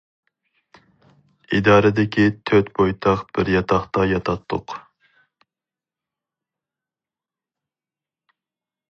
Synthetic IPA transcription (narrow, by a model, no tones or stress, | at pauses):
id̪ɑːɾɪd̪ɪkʲʰit̪ʰøt̪pʰojt̪ʰɑχb̥ɪɾjɑt̪ʰɑχt̪ɑjɑt̪ʰɑt̪ʰːʊq